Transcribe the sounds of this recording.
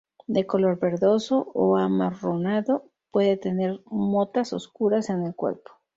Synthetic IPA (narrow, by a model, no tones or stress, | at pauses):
d̪e̞ko̞lo̞ɾβe̞ɾðo̞so̞ʔoamaronaðo̞ | pwe̞ðet̪e̞ne̞ɾmo̞t̪aso̞̰skuɾase̞ne̞lkwe̞̰ɾpo̥